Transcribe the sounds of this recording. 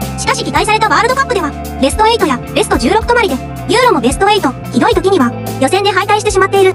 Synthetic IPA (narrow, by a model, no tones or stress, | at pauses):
ɕi̥kaɕikʲik̪ais̬aɾe̞t̪aβaːɾɯ̟d̪o̞kapːɯ̟d̪e̞β̞a | be̞sɨ̥t̪o̞e̞it̪o̞jabe̞sɨ̥t̪o̞ʑɨːɾo̞kɯ̥t̪o̞maɾʲid̪e̞ | jʲɯ̟ːɾo̞mo̞be̞sɨ̥t̪o̞e̞it̪o̞ | çid̪o̞it̪o̞kʲiɲ̟iβa | jo̞sẽ̞nd̪e̞ɦait̪aiɕi̥t̪e̞ɕ̬imat̪ːe̞iɾɯ